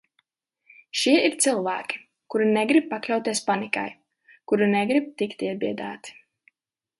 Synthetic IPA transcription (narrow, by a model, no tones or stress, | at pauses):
ʃiɛiɾt̪sɨlˠvæːkʲi̥ | kuɾinɛɡɾib̚paklʲawt̪iɛspanika̰j | kuɾinɛɡɾib̚t̪ikt̪iɛbiɛd̪a̰ːt̪i̥